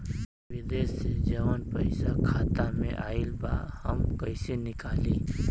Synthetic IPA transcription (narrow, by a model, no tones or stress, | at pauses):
ʋɪd̪eːsed͡ʒɐʋənpə̰ɪsakʰaːt̪amḛ̃ʔaːɪlba̰həmkɐsenɪkaːliː